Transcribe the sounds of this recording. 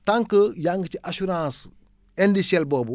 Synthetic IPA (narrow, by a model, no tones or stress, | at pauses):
tãŋkəjaŋɡət͡ʃiʔasuɾãːs | endiselbobu